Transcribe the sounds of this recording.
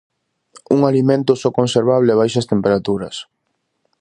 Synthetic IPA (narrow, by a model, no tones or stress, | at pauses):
uŋalimẽnt̪ʊsɔkõnseɾβ̞aβ̞lɪɛβ̞ajʃɐst̪empeɾat̪uɾɐ̰s